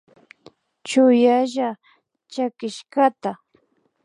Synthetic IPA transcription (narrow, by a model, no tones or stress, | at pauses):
t͡ʃʊjaʒa | t͡ʃakɪʃkat̪a